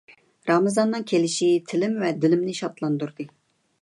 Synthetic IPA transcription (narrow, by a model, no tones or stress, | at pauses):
ɾɑmɨzɑnːɨŋkʲʰelɪʃit̪ʰɪlɪmvɛd̪ɪlɪmnɪʃɑt̪lˠɑnd̪uɾd̪ɨ